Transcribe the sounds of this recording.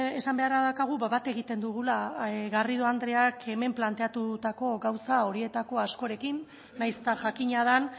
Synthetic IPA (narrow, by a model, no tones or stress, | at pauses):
e̞sambe̞aɾaðakaɣ̞uβaβat̪e̞ɣ̞it̪e̞nd̪uɣ̞ulaɣarið̞uand̪ɾe̞akʰe̞me̞mplant̪e̞at̪ut̪ako̞ɣawsao̞ɾie̞t̪ako̞asko̞ɾe̞kinː | ajse̥t̪aʝakiɲað̞an